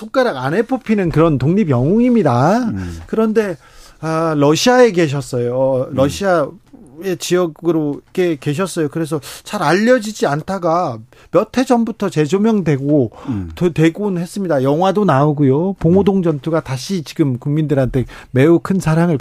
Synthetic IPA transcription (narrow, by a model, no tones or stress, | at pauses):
sʰok͈aɾaɡane̞pʰopʰinɯnkɯɾʌntoŋɲibjʌŋoŋimɲidakɯɾʌnde̞ | aɾʌɕʰiae̞ke̞ɕ̬ʰʌs͈ʌjoʌɾʌɕʰia | et͡ɕiʌɡɯɾoike̞ke̞ɕ̬ʰʌs͈ʌjokɯɾe̞s̬ʰʌt͡ɕaɾaʎːʌd͡ʑid͡ʑiantʰaɡa | mjʌtʰe̞d͡ʑʌmbutʰʌt͡ɕe̞d͡ʑomjʌŋdwe̞ɡotɯtwe̞ɡonhe̞s͈ɯmɲidajʌŋɦwadonaoɡujopoŋodoŋd͡ʑʌntʰuɡataɕʰit͡ɕiɡɯmkuŋmindɯɾɦantʰe̞me̞ukʰɯnsʰaɾaŋɯɭ